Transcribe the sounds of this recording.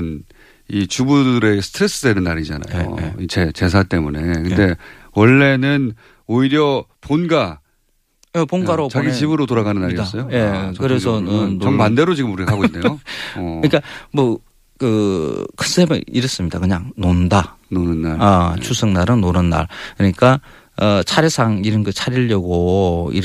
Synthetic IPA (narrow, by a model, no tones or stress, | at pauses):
n | it͡ɕubudɯɾe̞sʰɯ̥tʰɾe̞s͈ɯdenɯnːaɾid͡ʑana̰jo̰it͡ɕet͡ɕe̞s̬ʰat͈e̞mune̞kɯnde̞ | wʌɭːe̞nɯn | oiɾjʌponɡa | jepoŋɡaɾot͡ɕaɡit͡ɕibɯɾotoɾaɡanɯnːaiɾidas͈ʌjojekɯɾe̞s̬ʰʌnɯnʌŋmande̞ɾot͡ɕiɡɯmuɾikʰaɡoinːejoɯɲik͈amʌ | kɯkʰɯ̥s͈emḛiɾɯs͈ɯmɲidakɯɲaŋnondanonɯnːaat͡ɕʰusʰɯŋnaɾɯnːonɯnːa̰ɭkɯɲik͈a | ʌt͡ɕʰaɾesʰaŋiɾɯnɡɯt͡ɕʰaɾiʎːʌɡoḭɾ